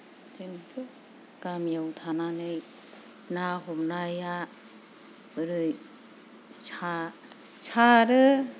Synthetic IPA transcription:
d͡ʒɯnpʰɯ | kamjawt̪ʰananɯj | naɦomnaja | ɯɾɯj | t͡ʃʰa | t͡ʃʰaɾɯ

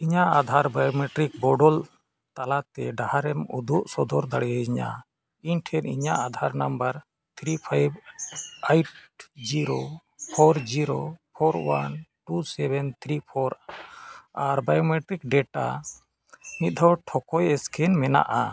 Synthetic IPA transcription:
iɲaad̪ʱaɾbajɔmɛʈɾik̚bɔɖɔl | t̪alat̪ɛɖahaɾɛmud̪uʔsɔd̪ɔɾd̪aɽɛjad͡ʒiɲa̰ | iɲʈʰɛnḭɲaʔad̪ʱaɾnambəɾ | t̪ʰɾipʰajb | ajʈd͡ʒiɾo | pʰɔɾd͡ʒiɾopʰɔɾwa̰nʈusɛbɛnt̪ʰɾipʰɔɾ | aɾbajɔmɛʈɾikɖɛʈa̰ | mit̪̚d̪ʱɔwʈʰɔkɔjɛskʰɛnmɛna̰ʔa

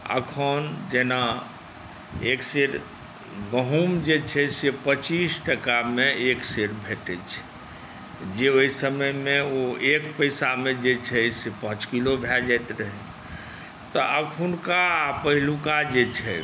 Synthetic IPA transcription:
ə̰kʰənd͡ʒena | ekseɾ | ɡəɦumd͡ʒet͡ʃʰɛsepət͡ʃisʈəkamẽekseɾbʱet̪ɛt͡ʃʰɛ̥ | d͡ʒeoisəməjmẽoekpəɪsamẽd͡ʒet͡ʃʰɛsepə̃t͡ʃkilobʱɛd͡ʒɛjt̪ɾəɦɛ | t̪əʔəkʰunkapəɦilukad͡ʒet͡ʃʰɛ

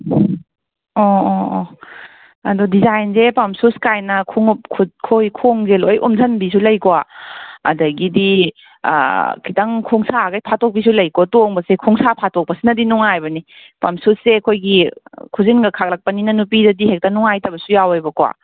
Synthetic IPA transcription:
o | ɐdudizajnzepɐmsuskajnɐkʰuŋup̚kʰukʰojkʰoŋzelojʔṵmdʰɐnbis̬ulɐjkowaɐ̰dɐɡidḭ | kʰitaŋkʰuŋsaɡajpʰatok̚bis̬ulɐjkotoŋbɐsekʰuŋsapʰatok̚pɐsinɐdinuŋajbɐni | pɐmsusːeɐkʰojɡikʰuzinɡɐkʰak̚lɐk̚pɐninɐnup̬idɐdiɦek̚tanuŋajtɐbɐsujawajbɐkowa̰

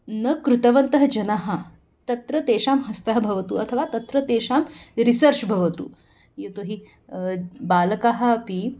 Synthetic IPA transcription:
nɐkɾut̪ɐʋɐnt̪ɐɦɐd͡ʒɐnaɦɐ̆ | t̪ɐt̪ɾɐt̪eːʃaːmɦɐst̪ɐɦɐbʱɐʋɐt̪uɐt̪ʰɐʋaːt̪ɐt̪ɾɐt̪eːʃaːmɾisɐɾt͡ʃbʱɐʋɐt̪ṵː | jet̪oːɦi | baːlɐkaɦɐ̆pi

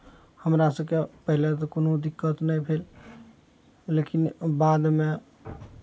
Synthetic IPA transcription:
həmɾasəbkepəɦilet̪̬ɔkonod̪ikːət̪nəjpʰel | lekinbad̪mẽ

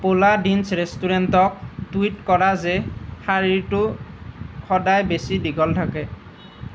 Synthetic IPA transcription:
poladinsɹestuɹentɔk̚twitkɔɹazɛxaɹiɹtʊ | xɔdajbesidiɡʱɔltʰakɛ

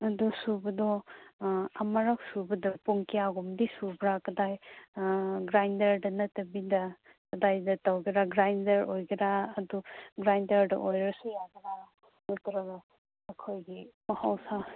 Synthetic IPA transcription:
ɐdusubɐdɔ | ɐmɐɾɐk̚subɐdɐpuŋkijaɡumdisubɾakɐdaj | ɡɾajndɐɾdɐnɐtɐbidɐ | kɐdajdɐtawɡiɾaɡɾajndɐɾojɡiɾaɐduɡɾajndɐɾdɐ̰ʔojɾɐsujaɡiɾa | nɐtɾɐɡɐ | ɐkʰojɡimɐhawsa

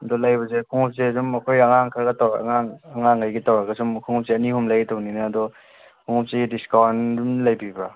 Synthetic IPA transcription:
ɐdɔlajbɐzekʰuŋup̚seɐzumɐkʰojɐŋaŋkʰaɾɡatawɐ̰ŋaŋɐŋaŋajɡitawɾaɡɐzumkʰuŋup̚seɐnihumlajtowninaːdɔ | kʰuŋup̚sediskawnumlajbiba

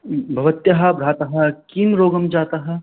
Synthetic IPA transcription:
bʱɐʋɐt̪jɐɦɐbɾaːt̪ɐɦɐkinɾoːɡɐmd͡ʒaːt̪aɦɛ

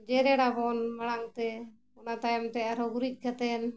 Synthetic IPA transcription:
d͡ʒɛɾɛɽabɔnmaɽaŋt̪ɛ | ɔnat̪ajɔmt̪ɛaɾɔɡuɾic̪̚ˀkat̪ɛn

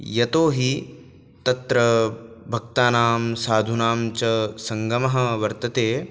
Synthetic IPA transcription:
jɐt̪oːɦi | t̪ɐt̪ɾɐbʱɐk̚t̪aːnaːmsaːd̪ʱunaːmt͡ʃɐsɐŋɡɐmɐɦɐʋɐɾt̪ɐt̪eː

